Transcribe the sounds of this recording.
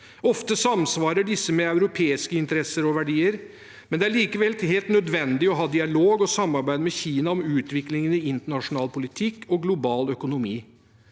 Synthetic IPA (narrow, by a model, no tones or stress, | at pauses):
ɔft̪əsɑmsʋɑːɾəɖɪsːəmɛɑʉɾʊpʰeːɪskəɪnt̪əɾɛsːəɾɔʋæɖiːəɾ | mɛnd̪ɛæɭiːkəʋɛlt̪ɦeːlt̪nœd̪ʋɛnd̪ɪɔɦɑːd̪ɪɑloːɡɔsɑmːɑɾbæɪd̪mɛçiːnɑɔmʉːt̪ʋɪklɪŋənɪɪnt̪əɳɑʂʊnɑːlpʰʊlɪt̪ʰɪkːɔɡlʊbɑːlœkʊnʊmiː